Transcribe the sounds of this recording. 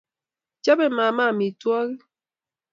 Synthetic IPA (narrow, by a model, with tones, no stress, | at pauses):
t͡ʃa˦be˦ma˨ma˦˨mi˨twɔ˦ɣi˦